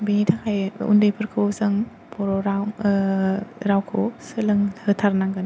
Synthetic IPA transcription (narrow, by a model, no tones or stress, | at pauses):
biɲitʰakʰajṵndɯjpʰɯɾkʰɯwsɯŋ | pʰɔɾɔɾaw | ɾawkʰo̰sɯlɯŋhɯtʰaɾnaŋɡɯn